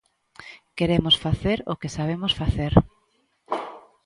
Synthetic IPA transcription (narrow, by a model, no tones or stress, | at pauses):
keɾemosfaθeɾokesaβemosfaθeɾ